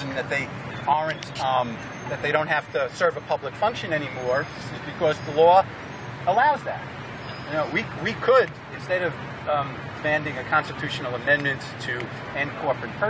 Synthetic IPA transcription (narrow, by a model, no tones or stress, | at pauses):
ɨ̃nðɨt̪̚ðeɪ | ɑɹɨ̃nt | ðɨt̪̚ðeɪɾõʊ̃nt̚hæftɨsɜ˞vəpʰʌbləkfʌ̃ŋkʃɨ̃nɛñimɔɹʌsɨzbɨkʰʌzðəlɔ | əlaʊzðæ̰t̚ | noʊwiwikʰəɾ | ɨ̃nstɛɾʌv | mæ̃ndɪ̃ŋɨkʰɑ̃nstɨtʰʉʃn̩l̩ˠəmɛ̃nmɨ̃nttʰɨ | ɨ̃nkʰɔɹpɨ̃t̚pʰɜ